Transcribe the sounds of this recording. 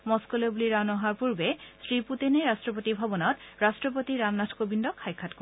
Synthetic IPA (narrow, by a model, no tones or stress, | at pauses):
mɔskɔlɔjbuliɹanɔɦaɹpuɹbɛsɹiputinɛɹastɹɔpotibʱɔbɔnɔtɹastɹɔp̬otiɹamnatʰkobindɔkʰːajkʰːatkɔ